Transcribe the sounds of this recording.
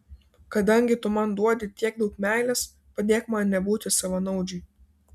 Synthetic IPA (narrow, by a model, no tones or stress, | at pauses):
kɐd̪ɐŋʲɡʲɪt̪ʊmɐnd̪uɔd̪ʲɪt̪ʲiɛɡ̚d̪ɐʊkmʲæˑɪlʲɛs | pɐd̪ʲeːkmɐnnʲɛbuːt̪ʲɪsɐʋɐnɐʊd͡ʒʲɪ